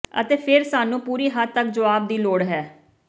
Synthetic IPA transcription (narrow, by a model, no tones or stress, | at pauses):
ə̰t̪eːpʰɪɾsaːnũːpuːɾiːɦat̪ːək̚d͡ʒəʋaːb̚d̪iːloːɽɦɛː